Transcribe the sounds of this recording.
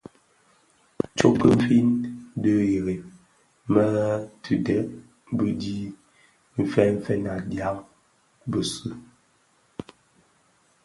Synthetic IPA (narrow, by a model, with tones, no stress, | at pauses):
t͡ʃo˦pə˦m˦fi˦ndə˦je˨ɾe˨ | mə˦tʰʉ˨dɛ˦ʔ | bə˦di˦ | m̩˦fɛ˦m̩˦fɛ˦na˨dja˦ŋ | bə˨sʉ˦